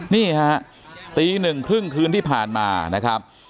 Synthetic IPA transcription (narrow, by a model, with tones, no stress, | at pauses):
niː˥˩ha˦˥ʔ | t̪iː˧nɯ˨˩ŋkʰɾɯ˥˩ŋkʰɯː˧nt̪ʰiː˥˩pʰaː˨˩nma̰ː˧na˦˥kʰɾa˦˥p̚